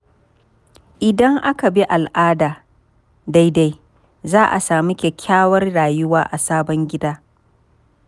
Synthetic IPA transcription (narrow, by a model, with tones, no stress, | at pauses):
ʔɪ˨dɐ˦ŋʔa˦ka˨bi˦ʔa˨lʔaː˦daː˨ | da˦jda˦j | zaː˦ʔa˨saː˨mi˦kʲe˨kʲʰaː˦wɐ˦rɽaː˨jʊ˦waː˦ʔa˨saː˦bɔ˦ŋɡʲɪ˦daː˦